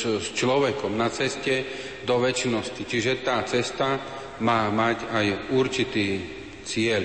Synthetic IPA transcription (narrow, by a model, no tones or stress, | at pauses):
st͡ʃlɔʋɛkɔmnat͡sɛscɛ | d̪ɔʋɛt͡ʃnɔscit͡ʃiʒɛt̪aːt͡sɛst̪a | maːmacajuɾt͡ʃit̪iː | t͡sɪɛl